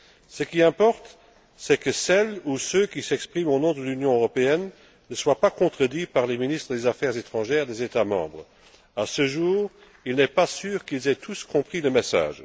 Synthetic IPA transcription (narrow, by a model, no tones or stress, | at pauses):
səkʲiɛ̃pɔʁt̪ | sɛkəsɛlusøkʲisɛkspχimonɔ̃d̪əlynjɔ̃øʁɔpeɛnː | əswapakɔ̃t̪χəd̪ipaʁleminist̪χəd̪ezafɛʁzet̪χɑ̃ʒɛːʁd̪ezet̪amɑ̰̃ːbʁ | asəʒuːʁ | ilnɛpasyːʁkilzɛt̪ʰuskɔ̃pχiləmesa̰ːʒ